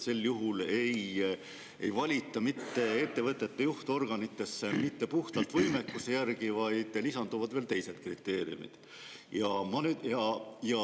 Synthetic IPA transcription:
se̞lːjuɦule̞j | e̞̰jvɑlʲit̪ːˑɑmit̪ːe̞e̞t̪ːe̞vɤt̪ːˑe̞t̪ːejuht̪o̞rɡ̥ɑnit̪ːˑe̞sːemit̪ːe̞puht̪ɑlt̪ːˑvɤjme̞kːuse̞jærɡ̥ivɑjd̪̥lisɑnd̪uvɑd̪̥ve̞ːlt̪e̞jse̞d̪̥krit̪ːˑe̞ːɾḭṵmḭd̪̥ | jɑmɑnyd̪jɑjɑ

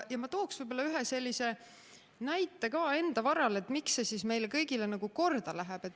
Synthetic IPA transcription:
jɑmɑt̪o̞ːksvɤjbolɑyɦese̞lʲːise̞ | næjt̪ːˑe̞kɑːe̞nd̪̥ɑvɑɾɑle̞t̪ːˑmiksːesisme̞jlekɤjɡ̥ile̞nɑɡ̥uko̞rd̪̥ɑlæɦeb̥e̞t̪ː

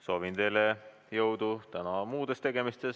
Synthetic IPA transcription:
so̞ːvint̪e̞jle | jɤwd̪ut̪ænɑmuːd̪̥e̞st̪e̞ɡ̥e̞mist̪e̞s

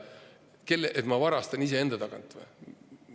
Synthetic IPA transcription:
ke̞lːeʔet̪mɑvɑɾɑst̪ɑnis̬ee̞nd̪̥ɑt̪ɑkɑ̰nt̪ːˑvḛ

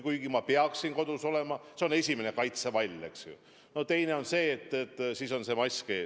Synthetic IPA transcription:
kujɡimɑpeɑksinko̞d̪̥uso̞le̞mɑseo̞ne̞sʲimene̞kɑjt̪sevɑlʲe̞ksṵ | no̞t̪e̞jne̞o̞nse̞ːt̪ˑːet̪ːˑsiːso̞nse̞mɑsʲke̞̰ː

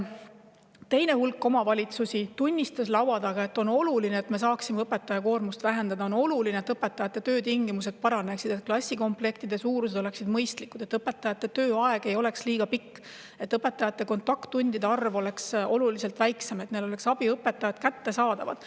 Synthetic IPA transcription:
t̪e̞jne̞hulkːˑo̞mɑvɑlʲit̪susʲit̪unʲːist̪ɑslɑwɑd̪̥ɑɡ̥ɑe̞t̪ːo̞no̞lulineːt̪me̞s̬ɑːksimeɤpe̞t̪ːˑɑjɑko̞ːrmust̪væɦe̞nd̪̥ɑd̪ɑono̞lulineet̪ɤpːe̞t̪ːˑɑjɑt̪ːˑe̞t̪øːt̪iŋɡ̥imus̬e̞d̪̥̚pɑɾɑne̞ksid̪t̪̚klɑsʲːiko̞mple̞kt̪id̪̥e̞suːɾus̬e̞d̪o̞le̞ksid̪̥mɤjst̪likːud̪̥e̞t̪ːɤpːˑe̞t̪ːˑɑjɑt̪ːe̞t̪øːɑe̞ɡ̥e̞jo̞leksliːɡ̥ɑpikː | e̞t̪ːɤpːˑe̞t̪ːˑɑjɑt̪ːe̞ko̞nt̪ːˑɑkt̪ːunʲd̪id̪e̞ɑrvo̞le̞kso̞lulise̞lt̪væjkseme̞t̪nelo̞le̞ksɑb̥iɤpːˑe̞t̪ːˑɑjɑd̪kæt̪ːe̞sɑːd̪̥ɑvɑ̰d̪̥

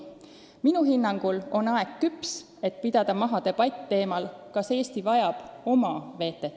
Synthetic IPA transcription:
minuɦinːɑŋɡ̥ulo̞nɑe̞kkyps | e̞t̪̚pid̪̥ɑd̪̥ɑmɑɦɑd̪e̞b̥ɑt̪ʲt̪ːe̞ːmɑlkɑse̞ːst̪ivɑjɑb̥o̞mɑve̞ːt̪ːˑe̞t̪ː

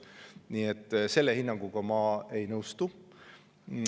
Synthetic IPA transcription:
niːet̪ːse̞lːe̞hinːɑŋɡuɡ̥ɑmɑːe̞jnɤwst̪u

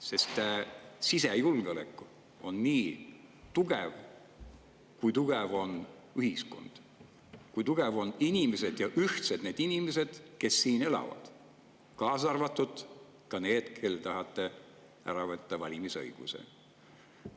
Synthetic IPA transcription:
se̞st̪ˑsisejulɡ̥olekːˑu̥ | o̞nːiːt̪uɡ̥ev | kujt̪uɡ̥evo̞n | yhisko̞̰nd̪̥ | kujt̪uɡ̥evo̞ninimese̞d̪̥jɑʔyht̪sed̪̥ned̪inimes̬e̞d̪̥ke̞sːiːne̞lɑ̰vɑ̰d̪̥ | kɑːsɑrvɑt̪ːˑud̪ | kɑne̞ːd̪̥kʰe̞lːt̪ɑɦɑt̪ˑːe̞ | æ̰ɾɑvɤt̪ˑːɑvɑlʲimisɤ̰jɡ̥usḛ

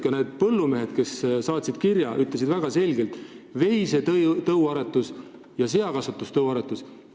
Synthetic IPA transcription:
kɑne̞ːd̪̥̚pɤlːume̞ɦe̞d̪̥ke̞ssɑːt̪ʲsid̪̥kiɾjɑʔyt̪les̬id̪̥væɡ̥ɑse̞lɡe̞lt̪ˑve̞jset̪t̪ɤuɑɾet̪ːˑus | jɑse̞ɑkɑsut̪ːˑust̪ɤwɑɾet̪ːˑus

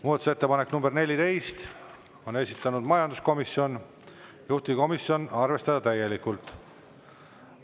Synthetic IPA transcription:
muːd̪ɑt̪u̥se̞t̪ːepɑneknumbe̞rnelʲit̪e̞jst̪ | o̞ne̞sʲit̪ˑːɑnud̪mɑjɑnd̪usko̞misio̞n | juht̪iko̞miso̞nɑrve̞st̪ɑd̪̥ɑt̪æje̞likːˑult̪ˑ

